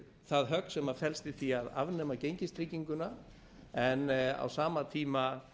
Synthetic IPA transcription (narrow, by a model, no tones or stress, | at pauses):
θaðɦœk̚nsɛmaðfɛlst̪ɪθiaða̰vnɛmacejɲcɪst̪ɾicːiŋkʏna | ɛna̰wsaːmat̪ʰiːma